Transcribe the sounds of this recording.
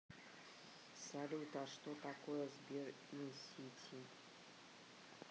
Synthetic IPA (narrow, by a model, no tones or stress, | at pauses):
salʲut̪aʂt̪ot̪akojɛzbʲir | isʲitʲʰi